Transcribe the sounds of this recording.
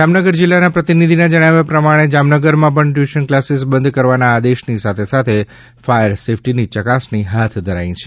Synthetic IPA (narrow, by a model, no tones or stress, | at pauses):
d͡ʒamnəɡəɾd͡ʒilːanapɾət̪inid̪ʱinad͡ʒəɽ̃aʋjapɾəmaɽ̃ed͡ʒamnəɡəɾmãp̬əɳʈʋiʃənklasesbənd̪kəɾʋanaːd̪eʃnisat̪ʰesat̪ʰe | fajəɾsefʰʈinit͡ʃəkasniɦat̪ʰd̪ʱəɾa̰ĩt͡ʃʰe